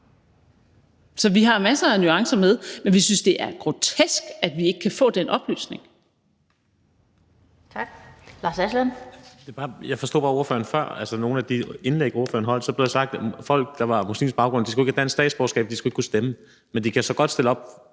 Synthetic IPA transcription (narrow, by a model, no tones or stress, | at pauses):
sɒ̽ʋiɦɑ̈mæsɐænyɑ̈ŋsɐmeðˠmenʋisynsd̥e̝ʔæɐɡ̥ʁo̝t͡sʰesɡ̥æd̥ʋie̝ɡ̥əkʰæfɔ̰̽ːd̥enʔɒ̽b̥ly̰ːsne̝ŋ | t͡sʰɑ̥lɑ̈ːsæslænd̥e̝b̥ɑ̈ːjɑ̈ɪfɒ̽sd̥o̰ːb̥ɑ̈ːo̝ɐfø̰ːɐn̩fɶɐ̰ælsəno̝ːn̩æd̥ie̝nleɡ̥o̝ɐfø̰ːɐnɦɒ̽l̰̥sɒ̽b̥le̝̥esɑ̈ɡ̥̚d̥fɒ̽l̰ɡ̥̚d̥ɑ̈ʋɑ̈muslḭːm̩sb̥ɑ̈ʊɡ̥ʁɔ̽nd̥isɡ̥ue̝ɡ̥ædʰænsd̥ɛ̰ːd̥sb̥ɒːsɡɛ̰ːb̥̚d̥isɡ̥ueɡ̥kʰusd̥emə | mend̥ikʰæsɒ̽ɡ̥ɒ̽d̥sd̥e̝ləɒ̽b̥